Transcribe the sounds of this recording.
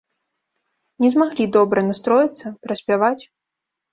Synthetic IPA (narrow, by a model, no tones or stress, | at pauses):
nʲɛzmaɣlʲid̪ɔbɾɐnast̪ɾɔjit̪sːɐpɾɐsʲpʲavat͡sʲ